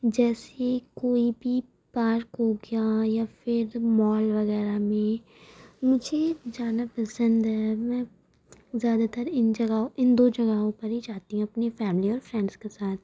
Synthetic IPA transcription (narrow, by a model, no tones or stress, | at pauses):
d͡ʒɛːsekoːibʱi | paːɾkɦoɡejajafɪɾmɔːlʋɐɣɛːɾamẽ | mʊd͡ʒʱed͡ʒaːnapɐsə̃nd̪ɦɛmɛ̃ | zjaːd̪at̪ɐɾɪnd͡ʒɐɡaõʔɪnd̪oːd͡ʒɐɡaɦõpɐɾɦid͡ʒaːt̪iɦũɐpnefɛːmliɔːɾfɾɛ̃ːɳɖz̥kesaːt̪̚ʰ